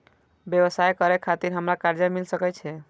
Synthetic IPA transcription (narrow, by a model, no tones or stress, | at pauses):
bjewəsajkəɾɛkʰat̪iɾɦəmɾakaɾd͡ʒamilsəkɛt͡ʃʰɛ